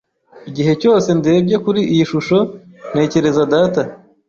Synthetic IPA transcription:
iɟiɦe̞co̞ːse̞nde̞ːbje̞kuɾiʔijiʃuʃo̞ | n̥e̞ːce̞ɾe̞zadaːta

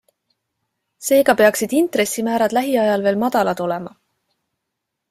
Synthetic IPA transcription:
se̞ːɡ̥ɑpe̞ɑksid̪̥int̪ɾe̞sːimæːɾɑd̪̥læɦiɑjɑlve̞ːlmɑd̪̥ɑlɑd̪̥o̞le̞mɑ̰

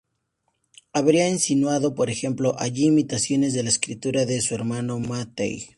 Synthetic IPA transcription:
aβɾiaensinwaðo̞po̞ɾe̞xe̞mplo̞ʔaʝiːmit̪asjo̞ne̞zðe̞laeskɾit̪uɾaðe̞sue̞ɾmano̞mat̪ḛj

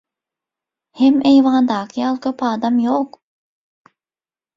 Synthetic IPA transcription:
hemejvɑːnd̪ɑːkʰijɑlˠkʲʰøpɑːd̪ɑmjoq

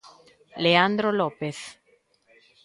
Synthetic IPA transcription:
leand̪ɾolɔpeθ

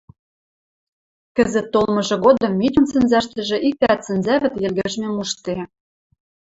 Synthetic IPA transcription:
kə̆zə̆t̪ːolmɤ̆ʒɤ̆ɣod̪ɤ̆mːitʲŭnsɘ̆nzæʃt̪ɘ̆ʒĕʔik̚t̪æt̪sɘ̆nzæβɘ̆t̪jɘ̆lɣɘ̆ʒmemuʃt̪e

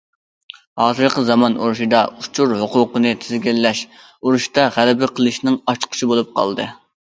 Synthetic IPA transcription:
hɑːzɨɾqəzɑmɑnuɾuʃid̪ɑut͡ʃʰuɾɦʊqʊqənɨt̪ʰɪzɡʲilːɛʃ | uɾuʃt̪ɑʁælɪbɪqʰəlˠɨʃnɪŋɑʃqʰə̥ʃibolˠup̚qʰɑ̰lˠd̪ɨ̰

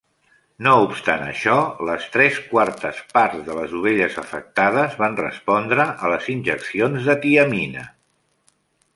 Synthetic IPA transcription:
noupst̪a̰nə̰ʃɔləst̪ɾɛskwaɾt̪əspaɾzðələzuβ̞eʎəzəfək̚t̪að̞əzβanrə̰spɔnd̪ɾəʔələzinʲʒəksionzðət̪iəminə̰

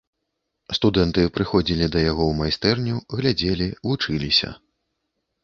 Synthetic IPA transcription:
st̪ud̪ɛnt̪ɨpɾɨxɔd͡zʲilʲid̪ɐjaɣɔwmajst̪ɛrnʲuɣlʲad͡zʲelʲivut͡ʂɨlʲisʲɐ̰

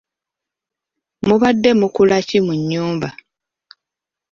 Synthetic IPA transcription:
muβadːe̞mukulacimuɲːuːmba

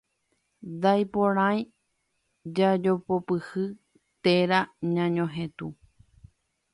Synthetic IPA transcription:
d̪ajpõɾ̃ãj̃ | d͡ʒad͡ʒo̞popɨhɨ | t̪eɾaɲãɲõɦẽt̪u

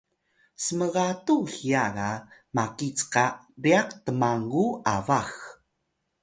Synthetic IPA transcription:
səməʁatuɬiaɾamakit͡sqa | biaqtəmaŋɡua̰vax

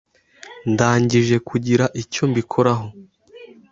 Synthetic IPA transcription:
ndaːɲɟiʒe̞kʰuɟiɾaʔico̞mbikʰo̞ɾaɦo̞

